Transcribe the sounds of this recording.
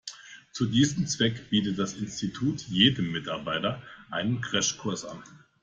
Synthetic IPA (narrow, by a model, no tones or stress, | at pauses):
t͡sudiːzəm̩t͡sv̥ɛkb̥iːtətd̥asɪnstitʰuːtjeːdəmːɪtaɐbaɪtɐʔaɪnənɡʁɛʃkʰʊɐsʔa̰n